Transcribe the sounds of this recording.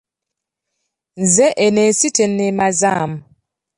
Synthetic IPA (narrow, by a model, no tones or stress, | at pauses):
nzɛʔenɛsitɛnːɛmazam